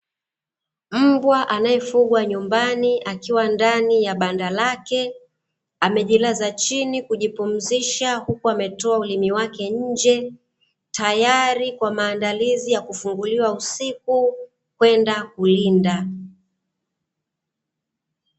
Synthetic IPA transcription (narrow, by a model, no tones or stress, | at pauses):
m̩bwaʔanajɛfuɠwaɲumbaniʔakiwandanijaɓandalakɛ | amɛʄilazat͡ʃinikuʄipum̩ziʃahukuamɛtɔaulimiwakɛɲ̩d͡ʒɛ | tajaɾikwamaːndalizijakufuŋɡuliwausiku | kwɛndakulinda